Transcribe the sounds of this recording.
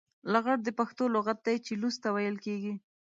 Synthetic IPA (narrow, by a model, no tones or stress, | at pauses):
laɣaɽ̚d̪əpaxt̪oloɣat̪̚d̪ajt͡ʃelust̪awajəlkeɡi